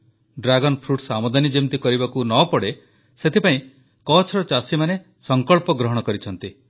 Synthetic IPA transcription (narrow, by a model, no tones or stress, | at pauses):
ɖɾaɡɔnpʰɾuʈsamɔd̪ʱanid͡ʒimt̪ikɔɾibakunɔpɔɽe | set̪ʰipaĩ | kɔt͡ʃʰɾɔt͡ʃasimane | sɔŋkɔɭpɔɡɾɔɦɔɽ̃ɔkɔɾit͡ʃʰɔn̪t̪i